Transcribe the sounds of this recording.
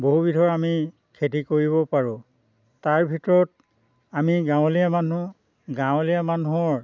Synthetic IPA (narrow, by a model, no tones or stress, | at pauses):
boɦubitʰɔɹami | kʰet̬ikoɹiβɔpaɹʊ̃ | taɹbʱitɔɹɔt̚ | amiɡãʊ̃lijamanu | ɡãwʊ̃lijamanuɔɹ